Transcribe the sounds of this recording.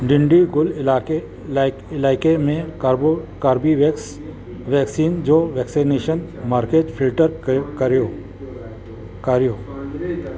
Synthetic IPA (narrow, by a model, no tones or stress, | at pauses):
ɖɪɳɖiɡʊlɪl | ɪlaːɪkemẽ | kaɾbiʋ | ʋɛːksiːnd͡ʒoːʋɛːksineːʃən | maːɾkeːʈpʰɪlʈəɾkɾo | kaɾjoː